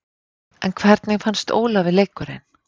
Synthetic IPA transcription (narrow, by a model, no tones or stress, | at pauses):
ɛnkʰvɛɾt̪nɪɣfanst̪o̰ːwlavɪðleːjkʏɾɪ̰n